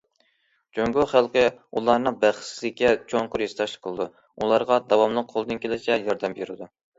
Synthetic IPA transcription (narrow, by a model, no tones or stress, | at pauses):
d͡ʒøŋɡoχælˠqəulˠɑɾnɨŋbæχslɪkʲʰːɛt͡ʃʰoɴqʰʊɾjest̪ʰɑʃlˠə̥qʰəlˠɨd̪u | ulˠɑɾʁɑd̪ɑwɑmlˠəq̚qʰːolˠɨd̪ɨnkʲʰelɪt͡ʃɛjɑɾd̪ɛmjyɾɪd̪u